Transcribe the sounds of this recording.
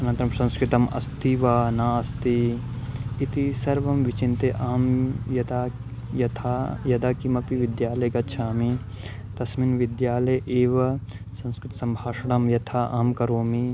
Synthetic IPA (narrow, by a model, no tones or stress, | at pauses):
ɐnɐnt̪ɾɐmsɐ̃nskɾɪt̪ɐmɐ̰st̪iʋaːnaːɐst̪i | it̪isɐɾʋɐmʋit͡ʃint̪eʔaːmjɐd̪aː | jɐt̪ʰaːjɐd̪aːkimɐpiʋid̪jaːlɐjɡɐtːt͡ʃʰaːmi | t̪ɐsminʋid̪jaːlɐjʔeːʋɐ | sɐ̃nskɾɪt̪sɐmbʱaːʂɐɽɐmjɐt̪ʰaːʔa̰ːmkɐɾoːmi